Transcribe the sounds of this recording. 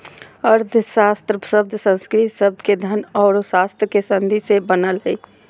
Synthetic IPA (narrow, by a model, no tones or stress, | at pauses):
əɾd̪ʱsast̪ɾəsəb̚d̪ʱsə̃nskɾit̪səb̚d̪ʱked̪ʱənɔːɾsast̪ɾkesə̃nd̪ʱisebənəlɦəi